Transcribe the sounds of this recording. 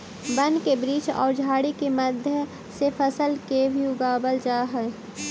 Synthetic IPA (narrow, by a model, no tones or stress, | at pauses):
bənkebɾiːt͡ʃɔ̰ːɾd͡ʒʱaːɽikeməd̪ʱjə | sepʰəsəlkebʱiʊɡaːbəld͡ʒaːɦɛː